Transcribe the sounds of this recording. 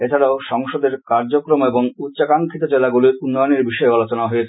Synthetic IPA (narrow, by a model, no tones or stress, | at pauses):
et͡ɕʰaɾaoʃɔŋʃod̪eɾkaɾd͡ʑokɾomeboŋutːɕakaŋkʰit̪od͡ʑelaɡuliunːɔjoneɾbiʃɔealot͡ɕonaɦoet͡ɕʰ